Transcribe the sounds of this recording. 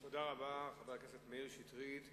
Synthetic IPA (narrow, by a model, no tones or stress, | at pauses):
todaʁabaχaveʁkesetmeilʃitʁit̪